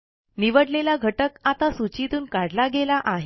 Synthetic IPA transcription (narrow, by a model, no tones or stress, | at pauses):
niʋəɽlelaɡʱəʈəkat̪asut͡ɕit̪uːnkaɽlaɡelaʔaɦ